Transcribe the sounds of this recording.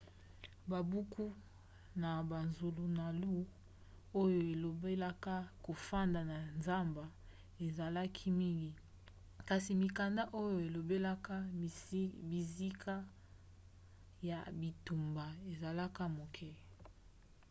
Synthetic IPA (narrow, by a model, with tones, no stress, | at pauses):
ba˨bu˦kʰu˦ | na˨ba˨nzu˨lu˨na˨lu˦ | o˦jo˨e˨lo˨be˦la˦ka˦ko˨fa˦nda˨na˨nza˦mba˨ | e˨za˨la˦kʰi˦mi˦ŋɡi˨ | ka˨si˨mi˨ka˨nda˦ʔo˦jo˨e˨lo˨be˦la˦ka˦ | bi˨zi˦kʰa˦ | ja˨bi˨tu˨mba˨e˨za˨la˦ka˦mo˨kʰɛ˦